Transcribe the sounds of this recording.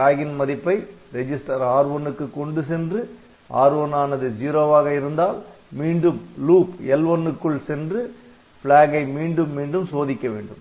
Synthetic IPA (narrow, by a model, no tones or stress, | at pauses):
aːɣɪnmɐðɪpːɐɪɾɛd͡ʒɪsʈɐɾaːɾɯʋɔnːɯkːɯkːɔɳɖɯsɛndrɯ | ʔa̰ːɾʋɐnaːnɐðɯd͡ʒiːɾoːʋaːɣɐɪɾɯnd̪aːl | miːɳɖɯmluːpɛlʋɔnːɯkːɯɭsɛndrɯ | fɪɭaːɣɐɪmiːɳɖɯmːiːɳɖɯmsoːðɪkːɐʋḛːɳɖɯm